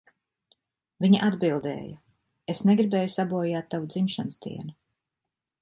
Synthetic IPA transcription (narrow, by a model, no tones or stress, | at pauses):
viɲaʔad̪bilˠd̪ɛ̰ːja | esneɡɾibɛːjusabɔːjaːt̪ːavud̪zimʃansd̪ḭɛnu